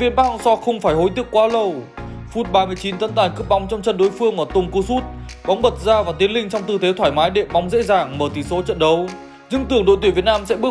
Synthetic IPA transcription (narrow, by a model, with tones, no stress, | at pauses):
vi˧ənɓaː˦˥k̚sɔ˧xə˧wŋ͡mfaː˧˩jɦo˨˦jt̪i˦˥əkwaː˨˦lə˧˩w | fu˦˥t̚ɓaː˧mɨ˧əjt͡ɕi˨˦nt̪ə˧˦nt̪aː˨˩nkɨ˦˥əp̚ɓɔ˨˦wŋ͡mt͡ɕɔ˧wŋ͡mt͡ɕə˧nɗo˨˦jfɨ˧əŋʔəː˧˩t̪ʊ˨˧˩ŋ͡mku˧˩su˦˥t̚ | ɓɔ˨˦wŋ͡mɓə˨˩t̚zaː˧vaː˨˩t̪i˨˦ənlï˧ŋ̟t͡ɕɔ˧wŋ͡mt̪ɨ˧t̪ʰe˨˦t̪ʰwaː˧˩jmaː˨˦jɗḛ˧˨ɓa˨˦wŋ͡mzḛ˧˥zaː˧˩ŋməː˧˩t̪ʰi˧˩so˨˦t͡ɕə̰˧˨nɗə˨˦w | ɲɨ˧ŋt̪ɨ˧˩əŋɗo̰˧˨jt̪wi˧˩vi˨˩ət̚naː˧msɛ̰˧˥ɓɨ˦˥ə